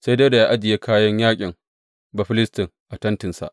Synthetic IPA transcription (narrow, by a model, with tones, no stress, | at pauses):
sa˦de˦da˨ja˦ʔa˦d͡ʒɪ˨je˦kʰaː˦jɐ˦ɲjaː˦kʲʼɪ˨ŋ | ba˨ɸɪ˦lɪ˦stɪ˨ŋʔa˨tɐ˦ntɪ˨nsa̰˨ʔ